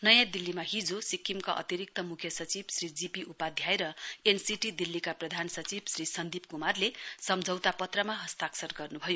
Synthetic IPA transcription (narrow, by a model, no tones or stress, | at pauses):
nʌjãd̪ilːimaɦid͡zosikʰːimkaʔʌ̰t̪iɾik̚t̪ʌmukʰjʌsʌt͡sibsrid͡zipiʔupad̪ʱjaeɾʌensiʈid̪ilːikaprʌd̪ʱansʌt͡sibsrisʌnd̪ipkumarlesʌmd͡zʱʌwt̪apʌt̪rʌmaɦʌst̪aksʌrɡʌrnubʱʌjo